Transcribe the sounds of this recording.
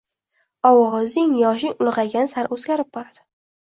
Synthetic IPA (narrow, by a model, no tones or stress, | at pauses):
ɒwɒʁɑzɪŋjɒʃɪŋʊlˠʁɑɡʲanɪsaɾozɡʲaɾɪp̚bɒɾad̪̥ɪ̥